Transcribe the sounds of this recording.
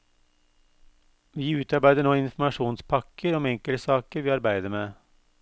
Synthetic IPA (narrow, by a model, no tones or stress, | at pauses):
ʋiːʉːt̪ɑɾbæɪd̪əɳoːɪnfm̩ɑʃuːnspʰɑkʰəɾɔmɛŋkəlsɑːkəɾʋiːɑɾbæɪd̪əɾmeː